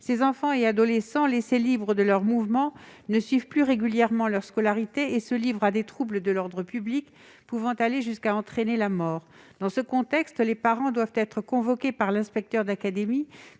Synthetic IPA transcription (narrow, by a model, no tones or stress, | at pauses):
sezɑ̃fɑ̃ead̪ɔlesɑ̃leselibʁəd̪əlœʁmuvmɑ̃nəsɥivplyʁeɡʲyljɛʁmɑ̃lœʁskɔlaʁit̪eːsəlivʁad̪et̪χubləd̪əlɔʁd̪ʁəpyblik | puvɑ̃t̪aleʒyskaɑ̃t̪χenelamɔːʁ | d̪ɑ̃səkɔ̃t̪ɛkst̪lepaʁɑ̃d̪wavt̪ɛt̪χəkɔ̃vɔkʲepaʁlɛ̃spɛk̚t̪œʁd̪akad̪emi